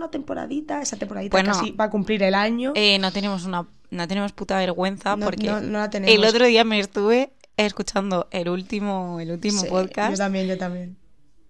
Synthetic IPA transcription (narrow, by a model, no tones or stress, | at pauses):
nat̪e̞mpoɾa̰ðit̪aesat̪empoaðitp̪wenosibakumpliɾelaɲoenot̪enẽ̞mos̬una | not̪e̞nemo̞sput̪aβ̞e̞ɾɣwe̞n̟θanpo̞ɾknenolat̪eneello̞t̪ɾoðiameːst̪uβe̞ | eskut͡ʃand̪oʔe̞lult̪imoelult̪imopoðkasot̪amjeɲd͡ʒot̪amjen